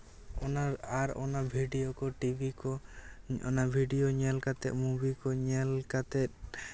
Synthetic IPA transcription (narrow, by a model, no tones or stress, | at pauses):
ɔnaɾaɾɔ̰nabʱiɖijɔkɔʈibʱikɔ | ɔ̰nabʱiɖijoɲɛlkat̪ɛ̰ʔ̪̚mubikɔɲɛlkat̪ɛt̪̚